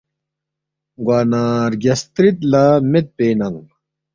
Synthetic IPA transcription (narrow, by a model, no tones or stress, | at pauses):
ɡwaːnaːɾɡɐst̪ɾit̪laːmet̪̚peːnɐŋ